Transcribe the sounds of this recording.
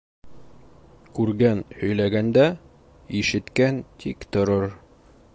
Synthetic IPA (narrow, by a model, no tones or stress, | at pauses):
kʉɾɡænhɵ̆jlæɡænd̪æ | iʃɘ̆t̪kænt̪ʰikt̪ŏɾoɾ